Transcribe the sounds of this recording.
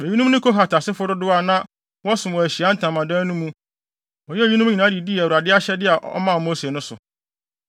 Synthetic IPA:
e˨i˦nũ˦m˦nɪ̃˦kʰo˦ɦa˨tʰa˨sɪ˦fʊ˦ɾʊ˦dʊ˦a˨nã˦ | wɔ˦sʊ̃˨mwɔ˨æ˨ɕi˨a˨˦n̩˦tʰã˨mã˨dãː˦nũ˦mũ˦ | ɔ˨jɛ˦˨i˦nũ˦ɲi˨nã˦di˨di˦˨æ˨wu˨ɾa˨dɪ˦a˦ɕɛ˦dɪ˦a˨ʔɔ̰˦mã˦˨mo˦si˨e˨nʊ̃˦sʊ̰˨

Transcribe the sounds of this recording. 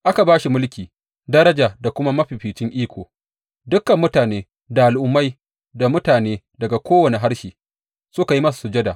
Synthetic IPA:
ʔa˦ka˨baː˦ʃi˨mʊ˦lkʲiː˨ | dɐ˦ɾɐ˦d͡ʒaː˨da˨kʷʊ˦ma˦mɐ˦ɸiː˨ɸiː˨t͡ʃɪ˦ŋʔiː˦kʷoː˨ | dʊ˦kːɐ˨mːʊ˦taː˨neː˦ | da˨ʔa˨lʔʊ˦mːa˦j | da˨mʊ˦taː˨neː˦ | dɐ˨ɡa˨kʷoː˦wɐ˨ne˨ɦa˦ɾʃiː˨ | sʊ˦ka˨ji˦mɐ˦s̬ḁ˨sʊ˨d͡ʒɐ˦da˨

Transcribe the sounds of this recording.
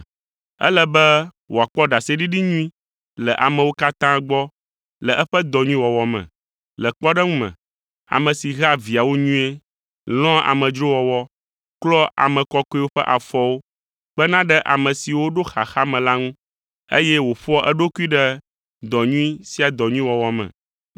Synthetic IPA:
ɛ̰˦lə˦bɛ˦ | wo˨a˨k͡pɔ˦ɖa˨sɛ˦ɖi˦ɖi˦ɲũ˦ĩ˦ | lɛ˨ʔa˨mɛ̃˨wo˦ka˦t̪ã˦ɡ͡bɔ˦ | lə˨ʔɛ˦ɸɛ˦d̪ɔ˨ɲũ˦ĩ˦wɔ˨wɔ˨mɛ̰̃˨ | lə˨k͡pɔ˦ɖɛ˦ŋũ˦mɛ̰̃˨ | a̰˨mə̃˨si˨ɣa˦vi˨a˨wo˦ɲũ˦e˦ | l̃ɔ̃˦a̰˨mə̃˨d͡ʒɾo˦wɔ˨wɔ˦ | klɔ˦a̰˨mɛ̃˨kɔ˦kɔ˦i˦wo˦ɸɛ˦ʔa˨fɔ˦wo˦ | k͡pə˦nã˦ɖɛ˦ʔa̰˨mə̃˨si˨wo˦ɖo˦xa̰˨xa˦mɛ̃˨la˦ŋũ˦ | ḛ˦jɛ˦wo˨ɸɔ˦ʔɛ˦ɖo˦ku˦i˦ɖɛ˦ | d̪ɔ˨ɲũ˦ĩ˦si˦a˨d̪ɔ˨ɲũ˦ĩ˦wɔ˨wɔ˨mɛ̰̃˨

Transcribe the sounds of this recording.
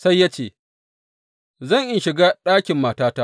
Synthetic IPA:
sa˦jːa˦t͡ʃeː˨ | zɐ˦˨ŋʔɪ˦ʃɪ˨ɡaː˦ɗaː˦kʲɪ˨mːaː˨taː˦ta˦

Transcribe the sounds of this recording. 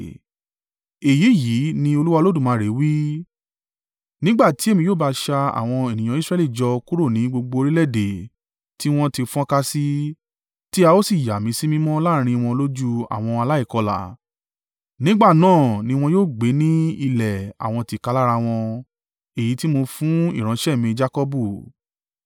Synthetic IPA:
e˨ji˨˦ji˨˦nĩ˧o˧lu˦wa˧lo˦dũ˦˨mãː˨˦˨ɾe˨˦wi˦ | nĩ˦ɡ͡ba˦˨ti˨˦e˦˨mĩ˧joː˦˨ba˧ʃa˧a̰˨w̃ɔ̃˧e˨nĩ˨j̃ã˧˦i˦sɾɛ˦li˦˨d͡ʒɔ˧ku˦ɾo˦˨nĩ˨˦ɡ͡bo˧ɡ͡bo˧o˧ɾi˦lɛ˦˨de˨ | ti˦w̃ɔ̃˦ti˧fɔ̃˦ka˦si˦ | ti˦a˧o˦si˦˨ja˨mĩ˨˦si˦mĩ˦mɔ̃˦la˦˨˧ɾ̃ĩ˧w̃ɔ̃˧lo˦d͡ʒu˦a̰˦˨w̃ɔ̃˧a˧la˦i˦˨kɔ˧la̰˨ | nĩ˦ɡ͡ba˦˨nãː˦˨nĩ˧˦w̃ɔ̃˧joː˦˨ɡ͡be˨˦nĩ˦i˧lɛ˨a̰˨w̃ɔ̃˧ti˧˨ka˧la˦ɾa˧w̃ɔ̃˧ | e˨ji˨˦ti˦mo˧fũ˦ḭ˦˨ɾ̃ã˨˧˦ʃɛ˦˨mĩ˧d͡ʒa˦kɔ˦bu˦˨

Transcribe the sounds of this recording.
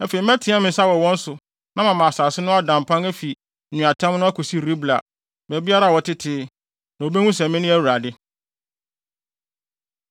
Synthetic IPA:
æ˦fe˨i˨m˦æ̃˦tʰĩ˨˦a˦mɪ̃˨˦sa˦wɔ˨wɔ̃˦n̩˦sʊ˨ | nã˦mã˨mã˨saː˨sɪ˦nʊ̃˦a˦dã˨m˨pʰã˦ŋæ˦fi˨ | ũ˨a˨tʰã˦mnʊ̃˦a˦kʰu˨si˦ɾi˦bla˨ | mæ˨bi˦a˦ɾa˨wɔ˨tʰɪ˦tʰɪ˦ | nã˨o˨be˦ŋũ˦s̬ɛ̃˨mɪ̃˦nʊ̃˦æ˦˨wu˨ɾa˨dɪ˦

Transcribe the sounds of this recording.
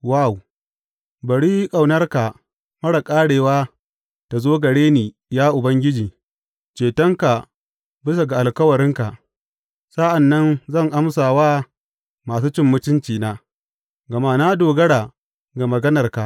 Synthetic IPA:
wa˦˨w | bɐ˨ɽiː˦jkʼa˨wnɐ˦rka˨ | mɐ˦ɽa˨kʼaː˦ɽeː˨waː˦ | ta˨zoː˦ɡɐ˨ɽeː˦niː˨ | jaː˦ʔʊ˨bɐ˦ŋɡʲɪ˦d͡ʒiː˨ | t͡ʃeː˨tɐ˦ŋka˨ | bɪ˦s̬a˨ɡa˨ʔa˨lkɐ˦wɐ˨ɾɪ˦ŋka˨ | sa˦ʔa˨nːɐ˦nzɐ˦˨ŋʔa˦msaː˨waː˦ | maː˨s̬uː˦t͡ʃɪ˦mːʊ˦t͡ʃɪ˦nt͡ʃiː˨naː˦ | ɡɐ˨ma˦naː˦doː˨ɡɐ˦ɽaː˨ | ɡa˨mɐ˨ɡɐ˦nɐ˨rka˨ʔ

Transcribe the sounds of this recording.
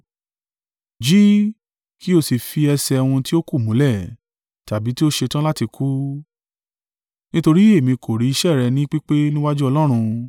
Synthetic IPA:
d͡ʒi˦ | ki˦o˧˨si˨fi˧ɛ˧sɛ˧wũ˧ti˦o˦ku˦˨mũ˨˦lɛ˦˨ | ta˨bi˨˦ti˦o˦ʃe˧tã˦la˦ti˧kʰu˦ | nĩ˦to˧ɾi˦e˦˨mĩ˧kʰo˨ɾi˨˦i˧ʃɛ˦˨ɾɛ˧˨nĩ˦k͡pi˦k͡pe˦nĩ˦wa˦d͡ʒu˦ɔ˧lɔ˦ɾ̃ũ˧

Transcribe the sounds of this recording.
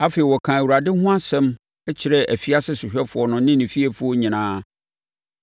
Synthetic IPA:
a˦fe˨i˨wɔ˨kʰã˨æ˨wu˨ɾa˨dɪ˦hʊ̃˦a˦sɛ̃˦m | ɛ˦t͡ɕʰɪ˨ɾɛ˦ʔæ˨fi˦a˦sɪ˦sɪ˨ɕᶣɛ˦fʊ˨ɔ˨nʊ̃˨nɪ̃˦nɪ̃˨fi˦ɛ˦fʊ˨˦ɔ˦ɲĩ˨nãː˦

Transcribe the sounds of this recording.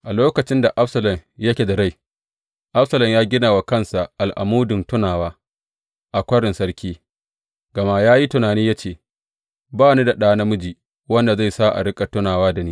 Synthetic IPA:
ʔa˨loː˦kɐ˨t͡ʃɪ˦nda˨ʔa˦ɸsɐ˨lɐ˨mjɐ˦kʲe˨da˨ɽa˦j | ʔa˦ɸsɐ˨lɐ˨mjaː˦ɡʲɪ˦naː˨wa˨kɐ˦nsa˨ʔa˨lʔa̰˨muː˦dʊ˨ntʊ˦naː˨waː˦ | ʔa˨kʷɐ˦ɽɪ˨nsɐ˦ɽkʲʰiː˦ | ɡɐ˨ma˦jaː˦ji˦tʊ˨naː˨niː˦ja˦t͡ʃeː˦˨ | baː˦˨ni˦da˨ɗaː˦na˦mʊ˦d͡ʒiː˨ | wɐ˦nda˨za˦˨jsaː˦ʔa̰˨ɽɪ˦kʼa˨tʊ˦naː˨waː˦da˨niː˦

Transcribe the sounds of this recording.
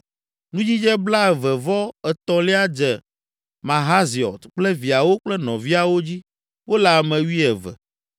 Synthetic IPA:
nũ˦d͡ʑi˦d͡ʒɛ˦bla˦ɛ˨vɛ˨vɔ˦ɛ˨t̪ɔ̃˨lɛ˦a˦d͡ʒɛ˨ | mã˨ɦa˦zi˨ɔ̰˨t̪k͡plɛ˦vi˨a˨wo˦k͡plɛ˦nɔ̃˨vi˦a˨wo˦d͡ʑi˦ | wo˦la˨mɛ̃˨wi˦ɛ˨vɛ̰˨

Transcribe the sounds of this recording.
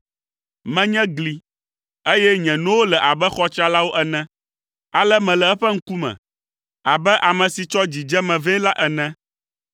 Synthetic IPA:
mɛ̃˦ɲɛ̃˦ɡli˨ | e˦jɛ˦ɲɛ̃˨nõ˦wo˦lɛ˨ʔa˨bɛ˦xɔ˦t͡ʃa˦la˦wo˦ʔɛ˦nɛ̃˦ | a˨lɛ˦mɛ̃˨lɛ˨ɛ˦ɸɛ˦ŋ̩˦ku˦mɛ̰̃˨ | a˨bɛ˦ʔa˨mɛ̃˨si˨t͡ʃɔ˦d͡ʑi˨d͡ʒɛ˦mɛ̃˨vɛ̃˦la˦ʔɛ˨nɛ̃˦

